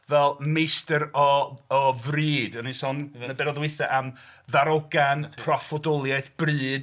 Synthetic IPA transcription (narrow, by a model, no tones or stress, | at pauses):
vɛlˠmejstəɾɔː | vriːdənisɔnnəbɛɾɔðwɪθaʔamðaɾɔɡanpʰrɔfɔdɔlˠjajθb̥rɨːd